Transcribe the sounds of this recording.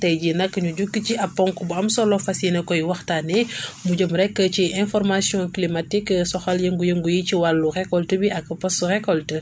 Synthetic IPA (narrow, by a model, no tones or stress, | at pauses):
tɛjɟinɐkːəɲuɟukːəciʔɐpːɔŋkubuɐmsɔlɔfasinɐkɔjwɐxtanɛmuɟəmɾɛkːəciʔɛ̃nfɔɾmasjɔ̃klimatikːsɔxɐljəŋɡujəŋɡujiciwalːuxɛkɔltəbiʔɐkːɐpɐsuxɛkɔltə